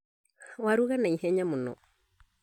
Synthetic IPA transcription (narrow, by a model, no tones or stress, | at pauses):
waɾuɣanaihɛɲamunɔ̰